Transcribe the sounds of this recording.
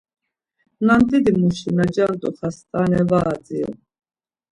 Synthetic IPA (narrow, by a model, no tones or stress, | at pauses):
nant̪ʼid̪imuʃinad͡ʒant̪ʼuχast̪ʼanɛvaːd͡zḭṵ